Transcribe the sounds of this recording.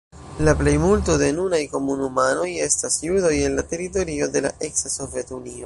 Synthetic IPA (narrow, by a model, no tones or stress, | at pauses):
laple̞jmulto̞denunajko̞munumano̞je̞stasjudo̞je̞nlate̞ɾito̞ɾio̞de̞la̰ʔe̞ksaso̞vje̞tunio̞